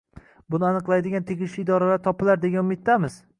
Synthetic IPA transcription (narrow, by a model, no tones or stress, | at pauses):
bʊnɪanɨqlˠajd̪ɪɡʲant̪ʰeɡʲɪʃɪːd̪ɒɾalaɾt̪ʰɒpʰɪlaɾd̪eɡʲanʊmɪt̪ːamɪz̥